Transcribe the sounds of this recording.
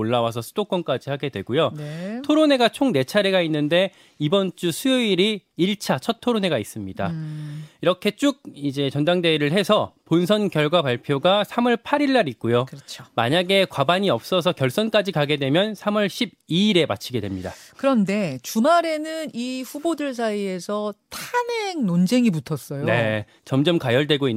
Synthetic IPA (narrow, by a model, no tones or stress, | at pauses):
oɭːawas̬ʰʌsʰu̥d̥ok͈wʌnk͈ad͡ʑihaɡe̞dwe̞ɡujonetʰoɾone̞ɡat͡ɕʰoŋne̞t͡ɕʰaɾeɡainːɯnde̞ | ibʌnt͡ɕ͈usʰujoiɾiːɭt͡ɕʰat͡ɕʰʌt̚tʰoɾone̞ɡais͈ɯmɲida̰ | iɾʌkʰe̞t͡ɕ͈uɡ̚id͡ʑe̞t͡ɕʌndaŋde̞ɾɯɭɦe̞sʰʌpons̬ʰʌnkjʌɭɡwapaɭpʰjoɡasʰamʌɭpʰaɾiɭːaɾik̚k͈ujokɾʌt͡ɕʰoma̰ɲaɡe̞kwabaɲiʌp̚s͈ʌsʰʌkjʌɭs͈ʌnk͈ad͡ʑikaɡe̞dwe̞mjʌnsʰamʌɭɕʰib̚iːɾe̞ma̰t͡ɕʰiɡe̞dwe̞mɲidakɯɾʌnde̞t͡ɕumaɾe̞nɯniɸubodɯɭs̬ʰaie̞sʰʌtʰaneŋnond͡ʑeŋimutʰʌs͈ʌjone̞ | t͡ɕʌmd͡ʑʌmkajʌɭdwe̞ɡoinː